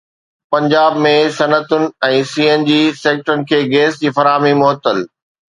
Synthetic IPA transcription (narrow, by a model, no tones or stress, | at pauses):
pɐ̃ɲd͡ʑaːbmẽsɐnət̪ʊnɪ̆ɛ̃ːsiːeːnd͡ʑiːseːk̚ʈɾʊnɪ̆kʰeːɡeːsd͡ʑiːfɐɾaːmimʊɦət̪ːəl